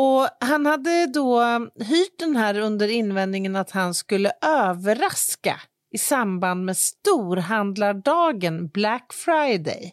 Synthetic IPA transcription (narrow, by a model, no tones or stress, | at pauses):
ɔɦanhad̪ːəd̪ɔɦyːʈ̚d̪ɛnɦæːɾɵnd̪əɾɪnːvɛnnɪŋənat̪hanskɵlːəʔøːvəɾaska̰ | ɪsamband̪meːst̪uːɾɦand̪laɖɑːɡənblækːfɾajd̪ɛ̰j